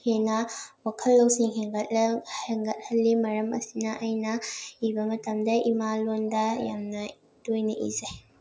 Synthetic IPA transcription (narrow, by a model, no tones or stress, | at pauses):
henɐwɐkʰɐlːɐwsiŋɦeŋɡɐt̚heŋɡɐt̚hɐlːimɐɾɐmɐ̰sinɐʔɐjnɐibɐmɐtʰɐmd̪ɐimalondajamnɐ | dojniʔḭzaj